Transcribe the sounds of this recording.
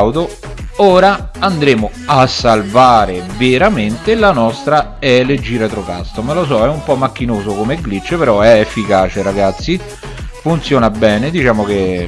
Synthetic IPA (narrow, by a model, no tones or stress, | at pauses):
wd̪o | oːɾaand̪ɾeːmo | asːalvaːɾeveɾament̪elanɔst̪ɾa | ɛled͡ʒiɾet̪ɾoka̰st̪omelos̬ɔɛumpɔmːakːinoːzokomeɡlit͡ʃːepeɾɔɛefːikaːt͡ʃeɾaɡat̪sːi | funt̪sjoːnabɛːned̪it͡ʃaːmoke